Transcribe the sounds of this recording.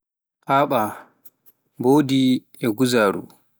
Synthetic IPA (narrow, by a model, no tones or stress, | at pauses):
paːɓa | boːdi | ɛɡuzaːɾṵ